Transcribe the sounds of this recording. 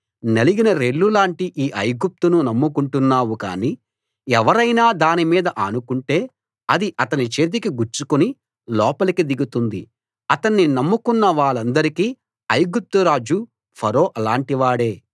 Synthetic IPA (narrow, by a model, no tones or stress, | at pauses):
neliɡinɐɾeɭːulaːɳʈiʔiːʔɐjɡup̚t̪ununɐmːukuɳʈunːaːwuka̰ːniː | ɛʋɐɾɐjnaːd̪aːnimiːd̪ɐʔɐnukuɳʈe̞ː | ɐd̪iʔɐt̪ɐnit͡ʃe̞ːt̪̬ikiɡuɾt͡ʃːukuni | lɔːpɐlikid̪iɡut̪und̪i | ɐt̪ɐnːinɐmːukunːɐʋaːɭɐnd̪ɐɾikiː | ɐjɡup̚t̪uɾaːd͡ʒu | pʰɐɾo̞ːʔɐlaːɳʈiʋaːɽe̞ː